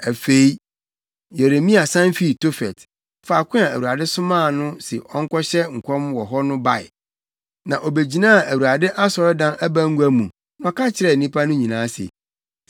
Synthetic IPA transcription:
æ˨fe˦i˦ | je˨ɾe˨mĩ˦a˨sã˦nfi˨to˦fɛ˨t | fa˨kʷʰʊ̃˦a˨æ˨wu˨ɾa˨dɪ˦sʊ̃˦mã˦˨nʊ̃˦sɪ̰˨ʔɔ˦ŋ̩˦kɔ˦ɕɛ˦ŋ̩˨kʷʰɔ̃˦mwɔ˨ɦɔ˦nʊ̃˦ba˦˨ɪ̰˨ | nã˨ʔo˨be˨d͡ʑi˨nã˦˨ʔæ˨wu˨ɾa˨dɪ˦ʔa˦sɔ˨ɾɛ˦dã˦næ˦bæ˦ŋ̩˦ɡʷæ˦mũ˨ | nɔ̃˨kʰa˦t͡ɕʰɪ˨ɾɛ˨n̩˨nĩ˦pʰa˦nʊ̃˦ɲĩ˨nãː˨˦sḛ˨

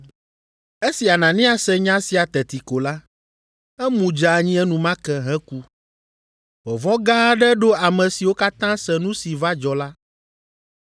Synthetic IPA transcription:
e˦si˨a˨nã˨nĩ˦a˨sɛ˦ɲã˦si˨a˨t̪ɛ˨t̪i˨ko˨la˦ | ɛ˦mũ˨d͡ʒa˨ɲĩ˦ɛ˦nũ˨mã˦kɛ˦ɦɛ̃˦ku˦ | vɔ˨vɔ̃˦ɡa˦ɖɛ˦ɖo˦a˨mɛ̃˨si˨wo˦ka˦t̪ã˦sɛ˨nũ˦si˨va˦d͡ʒɔ˨la˦

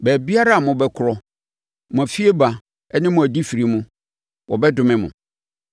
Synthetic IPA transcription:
bɛː˨bi˦a˦ɾa˦a˨mʊ̃˨bɛ˦kʰʊ˨ɾɔ˨ | mʊ̃˨æ˨fi˦e˦ba˨ | ɛ˦nɪ̃˦mʊ̃˨æ˨di˦fi˨ɾi˨mũ˦ | wʔɔ˨bɛ˦dʊ˨mɪ̃˦mʊ̰̃˨

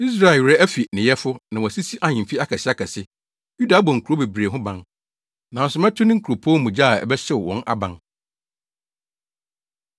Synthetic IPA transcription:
i˦s̬ɾa˨ɪ˨wɾɛ˦æ˦fi˨nɪ̃˨jɛ˦fʊ˦nã˨wɔ̃˨si˦si˦ʔa˦ɲɪ̃˨fi˦a˦kʰa˨ɕɪ˦a˦kʰa˨sɪ˦ | ju˦da˨˦bɔ̃˨ŋ̩˨kʰu˨o˦be˨bɾe˨ɦʊ̃˦bã˦n | nã˨sʊ˨mɛ˦tʰʊ˦nɪ̃˦ŋ̩˦kʰo˨pʰõ˦mũ˨d͡ʑa˦˨ɛ̰˨bɛ˦ɕɛ˦wwɔ̰̃˨nʔa̰˨bã˦n

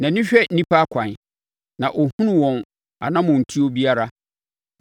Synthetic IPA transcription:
nã˨nĩ˦ɕᶣɛ˦˨n̩˦nĩ˦pʰa˦kʷʰã˨n˨ | nã˨ʔɔ˨hũ˦nʊ̃˦wɔ̃˨n | a̰˨nã˦mʊ̃˨n̩˨tʰi˦o˦bi˦a˦ɾa˦

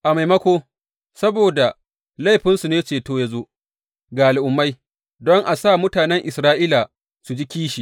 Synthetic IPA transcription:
ʔa˨ma˨jmɐ˦kʷoː˦ | sɐ˦boː˨da˨ | la˦˨jɸɪ˦nsu˨neː˦t͡ʃeː˨toː˦ja˦zo˦ʔ | ɡaː˨lɪ˨ʔʊ˨mːa˦j | dɔ˦ŋʔa˨saː˦˨mʊ˦taː˨nɛ˦ŋʔɪ˨sɾaː˦ʔiː˦la˨ | su˨d͡ʒi˦kʲiː˦ʃi˨

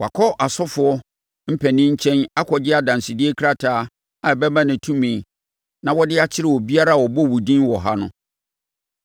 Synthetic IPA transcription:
wa˨kʰɔ˦ʔa˨sɔ˦fʊ˨˦ɔ˦ | m̩˦pʰɛ˨nɪ̃˦ɲ̩˦t͡ɕʰɛ̃˦na˦kʰɔ˨d͡ʑɪ˦a˨dã˨n˨sɪ˨dɪ˦e˦kʰɾa˦tʰaː˨˦ | a˨bɛ˦bã˦nɪ̃˨tʰũ˦mĩ˨ | nã˨wɔ˦dɪ˦a˦t͡ɕʰɪ˦ɾɪ˨wɔ˨bi˦a˦ɾa˦˨wɔ˨bɔ˦wu˨dĩ˦nwɔ˨ɦa˦nʊ̰̃˦

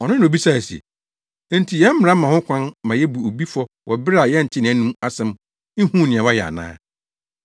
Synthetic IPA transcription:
ɔ˨nɪ̃˦n˨bi˦sa˦˨sɛ̰˨˦ | n̩˦tʰi˨jɛ˦m̩˦m˦˨ɾa˦mã˨hʊ̃˦kʷʰã˦nmã˨jɛ˦bu˨o˨bi˦fɔ˦ | wʔɔ˨bɪ˦ɾa˨jɛ˦n̩˨tʰɪ˦nɪ̃˨æ˦nũ˦ma˦sɛ̃˦m̩˦ | hũ˦˨nɪ̃˨ɛ̃˨wa˦jɛ˨a̰˨nã̰ː˦

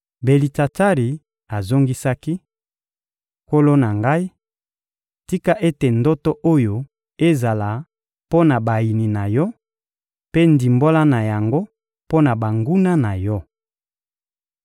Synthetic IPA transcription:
be˨li˨ta˨ta˦ʁi˨ | a˨zo˦ŋɡi˦sa˦ki˦ | ko˦lo˦na˨ŋɡa˦i˦ | ti˦ka˦ʔe˦te˨ndɔ˦tɔ˦ʔo˦jo˨ | e˦za˨la˨ | po˦na˨ba˨ji˨ni˨na˨jɔ˦ | pe˦ndi˨mbo˦la˦na˨ja˨ŋɡo˦ | po˦na˨ba˨ŋɡu˦na˦na˨jɔ˦

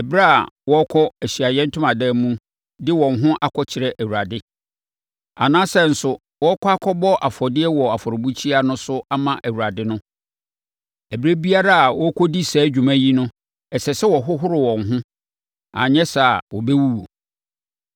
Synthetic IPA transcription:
ɛ˨bɾa˦a̰˨wɔ˦kʰɔ˦æ˨ɕi˨a˨jɛ̃˦n̩˦tʰʊ̃˦mã˨dɛ˦˨mũ˦ | dɪ˦wɔ̃˨nɦʊ̃˦ʔa˦˨kʰɔ˦t͡ɕʰɪ˨ɾɛ˦˨ʔæ˨wu˨a˨dɪ˦ | a̰˨nãː˦sɛ˦n̩˨sʊ˨ | wɔ˦kʰɔ˦a˦kʰɔ˦bɔ˦ʔa˨fɔ˨dɪ˦ɛ˦wɔ˨a˨fɔ˨ɾʊ˨bu˦t͡ɕʰi˦a˦nʊ̃˦sʊ˦a˦mã˨ʔæ˨wu˨ɾa˨dɪ˦nʊ̃˦ | æ˨bɾæ˦bi˦a˦ɾa˦a˨wɔ˦kʰɔ˦di˦sɛː˨˦d͡ʑᶣu˨mæ̃˦ji˦nʊ̃˦ | ɛ˨sɛ˨sɛ˦wɔ˨ɦʊ˦ɦʊ˦ɾɪ˨wɔ̃˨ŋɦʊ̃˦ | ã̰˨ɲɛ̃˦sa˨wɔ˨bɛ˦wu˦wo˨

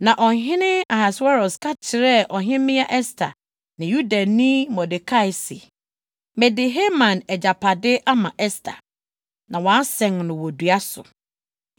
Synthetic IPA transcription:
nã˨ʔɔ˨ɦɪ̃˦nɪ̃˦a˨ha˨sa˦ɾɔ˨skʰa˦t͡ɕʰɪ˨ɾɛ˦ʔɔ˨ɦɪ̃˦mɪ̃˦a˦ʔɛ˦stʰa̰˨ | nɪ̃˨ju˦dã˨nĩ˦mɔ̃˨dɪ˨kʰa˦ɪ˨sḭ˨ | mɛ˨dɪ˨ɦe˦mã˨nɛ˨d͡ʑa˨pʰa˨dɪ˦ʔa˦mã˨ʔɛ˦stʰa̰˨ | nã˨wɔ̃˨a˦sɛ̃˨n˨nʊ̃˨wɔ˨du˨a˦sʊ̰˨

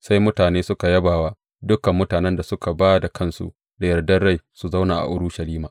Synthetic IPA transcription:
sa˦jmʊ˦taː˨neː˦sʊ˦ka˨jɐ˦baː˨waː˦ | dʊ˦kɐ˨mːʊ˦taː˨nɛ˦nda˨sʊ˦ka˨baː˦da˨kʰɐ˦nsṵ˨ | da˨jɐ˨rdɐ˦nɽa˦jsu˨za˦wnaː˨ʔa̰˨ʔʊ˦ɽʊ˦ʃɐ˨liː˦maː˨

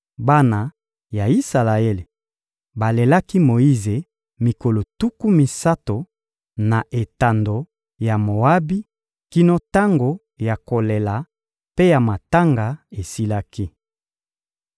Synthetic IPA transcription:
ba˦na˨ | ja˨i˦sa˨la˨e˦le˨ | ba˨le˨la˦ki˦mo˨i˦ze˨ | mi˨ko˨lo˨tu˦ku˦mi˨sa˦to˨ | na˨ʔe˨ta˨ndo˨ | ja˨mo˨a˦bi˦ | ki˦no˦ta˦ŋɡo˨ | ja˨ko˨le˨la˨ | pe˦ja˨ma˨ta˦ŋɡa˨e˨si˦la˦ki˦

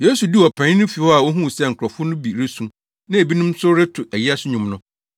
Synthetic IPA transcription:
je˦su˨di˦ɔ˨pʰã˨˦nʊ̃˦fi˨hɔ˦a˨wo˦ɦũ˦˨sɛ˦˨ŋ̩˨kʰʷʊ˨ɾɔ˨fʊ˦nʊ̃˦bi˨ɾɪ˦sũ˦m | nã˦e˨bi˦nʊ̃˦m̩sʊ˦ɾɪ˦tʰʊ˨ʔæ˨ji˦a˦sʊ˦ɲʊ̃˨mnʊ̃˦

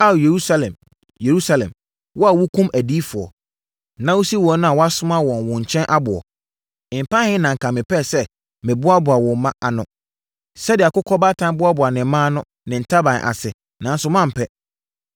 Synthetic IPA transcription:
a˦˨je˨ɾu˦sa˦lɛ̰̃˨m | je˨ɾu˦sa˦lɛ̰̃˨m | wʔɔ˦a˨wʊ˦kʰũ˦mæ˨di˦fʊ˨ɔ̰˨ | nã˦wu˦si˦wɔ˨˦nʊ̃˦a˨wɔ˦a˦sʊ˦ma˦wɔ̃˨nwʊ̃˨ɲ̩˨t͡ɕʰɛ̃˦nʔa˦bʊ˨ɔ̰˨ | ɪ˨m̩˨pʰã˦hɪ̃˦nã˨ŋ̩˨kʰã˨mɪ̃˨pʰɛ˦˨sɛ˦ | mɪ̃˨bʊ˦a˦bʊ˨a˨wɔ̃˨m̩˦mã˦ʔa˨nʊ̰̃˦ | sɛ˦dɪ˨a˨kʊ˦kʰɔ˦ba˦tʰã˦m˦bʊ˦a˦bʊ˨a˨nɪ̃˨˦mãː˦nʊ̃˦ | nɪ̃˨n̩˨tʰa˦bã˨n˨ʔa̰˨sɪ˨ | nã˨n˦sʊ˦mã˦˨m̩˨pʰɛ˦

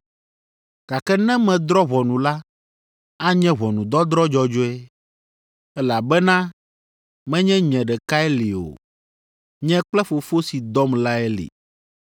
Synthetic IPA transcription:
ka˨kɛ˦nɛ̃˦mɛ̃˨d̪ɾɔ˦βɔ˨nũ˨la˦ | a˦ɲɛ̃˦βɔ˨nũ˨d̪ɔ˦d̪ɾɔ˦d͡ʒɔ˦d͡ʒo˦ɛ˦ | ɛ˦la˨bɛ˦nã˦ | mɛ̃˦ɲɛ̃˦ɲɛ̃˨ɖɛ˨ka˦ɛ˦le˨o̰˨ | ɲɛ̃˦k͡plɛ˦fo˨fo˦si˨d̪ɔ˦mla˦ɛ˦lḛ˨

